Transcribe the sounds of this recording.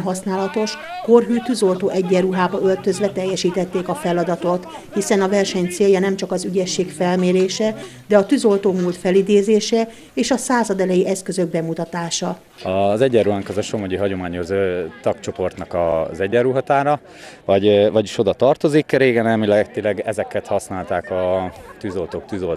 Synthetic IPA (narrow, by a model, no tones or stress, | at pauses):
ɦɒsnaːlɒt̪o̞ʃ | ko̞rɦyːt̪yzo̞lt̪oːʔɛɟːɛruɦaːbɒølt̪ø̞zʋɛt̪ɛjːɛʃiːt̪ɛt̪ːeːkɒfɛlɒd̪ɒt̪o̞t̪ | hisɛnɒvɛrʃɛɲt̪seːjɒnɛmt͡ʃɒkɒzyɟɛʃːeːkfɛlmeːɾeːʃɛd̪ɛɒt̪yzo̞lt̪oːmoːt̪fɛlid̪eːzeːʃɛ | eːʃɒsaːzɒd̪ɛlɛjiʔɛskøzø̞ɡ̚bɛmut̪ɒt̪aːʃɒ | ɒzɛɟːɛrɾuɦaːŋkɒzɒʃo̞moɟiɦɒɟo̞maːɲo̞zøːt̪ɒkt͡ʃo̞po̞rt̪nɒkɒzɛɟːɛruɦɒt̪aːɾɒ | vɒɟvɒɟiʃo̞d̪ɒt̪ɒrt̪o̞zikreːɡɛnɛmilɛɡt̪ilɛɡɛzɛkɛt̪hɒsnaːlt̪aːkɒt̪yːzo̞lt̪oːk̚t̪yzol